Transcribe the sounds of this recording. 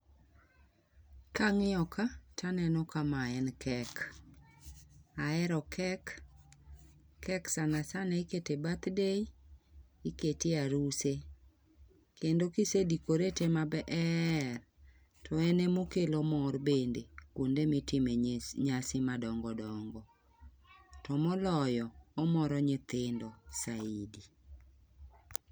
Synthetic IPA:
kaŋɪɔkatʰanɛnɔkamaɛnkʰɛk | aɛɾɔkʰɛk | ɛksanasanɛiketebat̪dei | iketɪaɾuse | kendokɪsedikoɾetemabɛʔɛr | tʰɔɛnɛmokelomɔrbendekondemɪtɪmeɲasɪmadɔŋɡɔdɔŋɡɔ | tɔmɔlɔjɔːmɔɾɔɲɪt̪ɪndɔsaidi

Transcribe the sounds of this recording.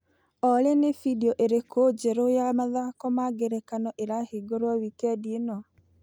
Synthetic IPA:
ɔɾenefidiɔʔeɾekʰod͡ʒɛɾojamaðakɔmaɡeɾɛkanɔʔeɾaheɡoɾwawikɛdienɔ

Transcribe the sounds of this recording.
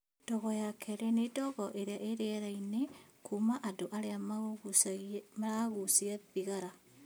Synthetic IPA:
d̥oɣojakʰeɾenedoɣoʔeɾeaʔeɾeɾainekʰumaʔadoʔaɾeama | maɾaɣusiaβiɣaɾa

